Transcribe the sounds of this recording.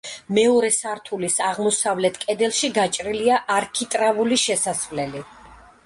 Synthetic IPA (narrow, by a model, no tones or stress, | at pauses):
mɛɔɾɛsaɾt̪ʰulisaʁmɔsavlɛt̪ʰkʼɛd̪ɛlˠʃiɡat͡ʃʼɾiliaʔaɾkʰit̪ʼɾavuliʃɛsasvlɛli